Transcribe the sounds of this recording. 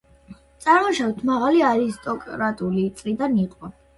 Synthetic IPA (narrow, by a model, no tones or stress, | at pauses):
t̪sʼaɾmɔʃavt̪ʰmaʁaliaɾist̪ʼɔkʼɾat̪ʼulit̪sʼlid̪aniqʼɔ